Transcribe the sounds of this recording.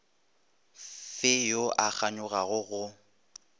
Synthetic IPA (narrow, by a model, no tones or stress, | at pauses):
fɪjoʔak͡xʰaɲʊɣaɣʊɣʊ